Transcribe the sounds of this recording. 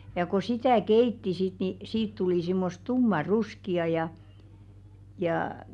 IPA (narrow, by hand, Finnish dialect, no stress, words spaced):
jɑ ko sitæˑ keitːi sit ni siːt tuliˑ simːos tumːɑruskiɑ jɑ jɑː